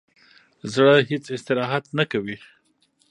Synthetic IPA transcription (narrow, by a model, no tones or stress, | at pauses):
zɽəɦet͡sɪst̪ɪɾɑɦat̪nakawi